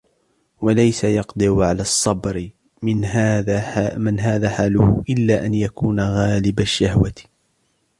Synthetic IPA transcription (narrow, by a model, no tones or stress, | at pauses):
walajsajɑqd̪ˤɨʕʊʕalaːsˤːɑbɾɪ | ɪnː | mɪnɦaːðaːħaːlʊhʊʔɪlːaːʔanjakuːnaɣaːlɪbaʃːahwat̪